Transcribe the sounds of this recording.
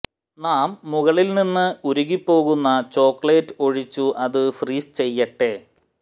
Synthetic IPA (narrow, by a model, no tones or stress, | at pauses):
naːmːuɣɐɭilninːɨuɾuɣipːo̞ːɣunːɐt͡ɕo̞ːkɭe̞ːtːɨo̞ɻit͡ɕːuʔɐðɨfriːst͡ɕe̞jːɐʈːe̞